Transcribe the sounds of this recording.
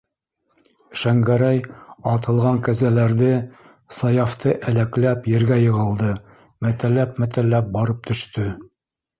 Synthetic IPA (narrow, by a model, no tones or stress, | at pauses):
ʃæŋɡæɾæjɑt̪ɤ̆lˠʁɑŋkæzælæɾðɘ | sɑjɑft̪ɤʔælæklæpjɘ̆ɾɡæjɤ̆ʁɤ̆lˠd̪ɤ | mæt̪ælːæpmæt̪ælːæp̚bɑɾɤp̚t̪ɵ̆ʃt̪ɵ